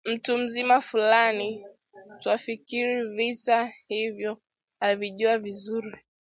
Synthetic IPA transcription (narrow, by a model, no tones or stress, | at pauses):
m̩tum̩zimafulani | twafikiɾivitahivjɔ | aviʄuavizuɾi